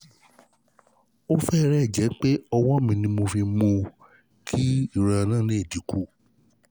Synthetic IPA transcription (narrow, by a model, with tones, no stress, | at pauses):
o˦fɛ˦˧ɾɛ˦˨d͡ʒɛ˨˦k͡pe˦ɔ˧wɔ̃˦mĩ˧nĩ˧mo˧fi˧mõ˧ | kʰi˦i˦˨ɾa˧nã˦˨nĩ˦e˦˨di˨˦ku˦˨